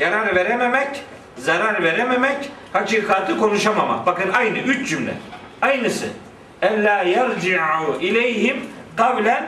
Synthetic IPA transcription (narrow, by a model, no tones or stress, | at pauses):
jaɾaɾveɾɛmɛmɛc | zaɾaɾveɾɛmɛmɛc | hat͡ʃʰixaːt̪ʰɯkʰo̞nuʃamama̰bakɯnajnɯyt͡ʃd͡ʒymlɛ̰ | ajnɯsɯ̰ | ɛlːaːjaɾd͡ʒiʕuʔilɛjɦimqablʲɛn